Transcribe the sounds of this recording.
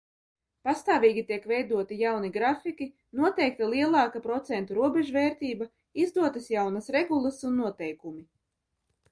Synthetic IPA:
past̪aːviːɡʲit̪iɛkvɛjd̪uɔt̪ijawniɡɾafikʲi | nuɔt̪ɛjk̚t̪alˠiɛlˠɑːkapɾɔt̪sɛnt̪uɾuɔbʲeʒuvɛːɾt̪iːba | izd̪uɔt̪asjawnasɾeɡulˠasunːuɔt̪ɛjkumi

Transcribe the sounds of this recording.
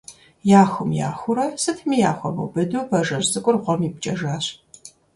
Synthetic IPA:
jaːxʷʊmja̰ːxʷʊɾɐsɨtʰmijaːxʷɔmɨ̰wbɨduːpʰɐʒɐrzɨkʷʼʊrʁʷɔmip̚t͡ʃʼɐʒaːɕ

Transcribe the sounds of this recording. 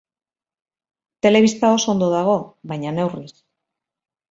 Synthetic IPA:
t̪e̞le̞βist̪ao̞soo̞nd̪o̞ðaɣ̞o̞βajɲane̞wris

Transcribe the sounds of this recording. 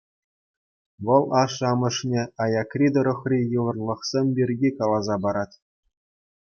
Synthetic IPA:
ʋɤ̆lˠɑʂɑmɤ̆ʂnʲeɑjɑkrʲid̪oɾŏχrʲijɤ̆ʋɤ̆rlˠɤ̆χsʲemʲbʲirʲɡʲikɑlˠɑzɑbɑɾɑtʲ

